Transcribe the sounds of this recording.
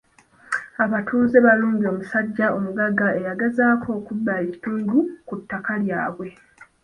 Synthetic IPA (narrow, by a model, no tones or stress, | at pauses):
aβatʰuːzeβaluːɲbio̞ːmusaɟːao̞muɡaɡae̞jaɡezaːkʰo̞ːkubːaeci̥tuːndukutːakaljaːβwe̞